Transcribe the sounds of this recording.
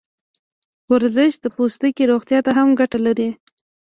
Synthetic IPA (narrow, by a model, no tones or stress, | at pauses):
waɾzəʃd̪əpost̪əkiɾoxt̪jɑt̪aɦamɡaʈalaɾi